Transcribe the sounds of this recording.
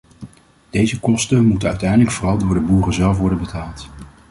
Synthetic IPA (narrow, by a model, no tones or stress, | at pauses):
d̥ejzəkɔstənmutəœɥtɛjndləkfʊːrɑlˠdʊːɹdəbuːrəzɛlˠfʋɔɹdənbətʰaːlˠt